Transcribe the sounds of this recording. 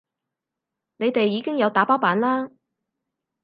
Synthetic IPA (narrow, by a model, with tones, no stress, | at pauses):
ne˨˧jt̪e˨jːiː˨˧kɪ˥ŋjɐ˨˧wt̪aː˨˥paː˥wpaː˨˥nlaː˥